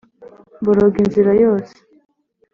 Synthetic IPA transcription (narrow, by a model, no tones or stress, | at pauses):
buɾoɡinziɾajoːse̥